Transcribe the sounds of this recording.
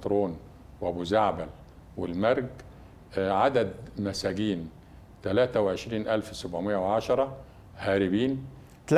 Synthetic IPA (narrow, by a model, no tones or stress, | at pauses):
t̪ɾoːn | wʔæbuːzaʕbæl | wɪlmæɾˤɡ | ʕad̪æd̪mæsæːɡiːn | t̪ælæːt̪æweʕeʃɾiːnʔælfsæbʕomɪʔːæweʕaʃɑɾˤɑ | hæːɾɪbiːn | t̪